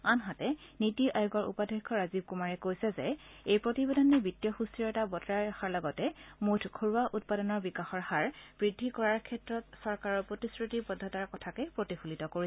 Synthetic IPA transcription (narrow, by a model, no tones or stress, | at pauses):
anɦatɛnitɔʔajuɡɔɹʔṵpadʱekʰːɔɹazib̚kumaɹɛkojsɛzɛ | ejpɹotibedɔnɛbitːjɔxustɹiɔtabɔtɹaɹaxaɹlɔɡɔtɛmutʰkʰoɹuaʔut̚padɔnɔɹbikaxɔɹhaɹb̥ɹidʱːikɔɹaɹkʰɛtɹɔtsɔɹkaɹɔɹpɹotiskɹitipɔdʱːɔtaɹkɔtʰakɛpɹotixulitɔkoɹisɛ